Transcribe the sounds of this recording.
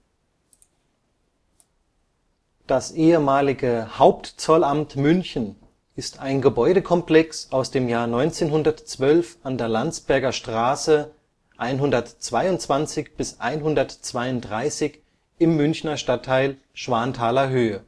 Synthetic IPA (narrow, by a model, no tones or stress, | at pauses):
d̥asʔeːəmaːlɪɡəhaʊp̚tt͡sɔlamtmʏnçn̩ | ɪstaɪnɡəbɔʏɾəkʰɔmplɛksaʊsd̥eːmjaːɐnɔʏnt͡seːnhʊndɐtt͡sv̥œlfandeːɐlant͡sb̥ɛɐɡɐʃtʁ̥aːsə | ʔaɪnɦʊndɐtt͡sv̥aɪʊntt͡sv̥ant͡sɪçb̥ɪsʔa̰ɪnɦʊndɐtt͡sv̥aɪʊntdʁaɪsɪç | ɪmːʏnçnɐʃtatʰːaɪl | ʃv̥aːntʰaːlɐɦøːə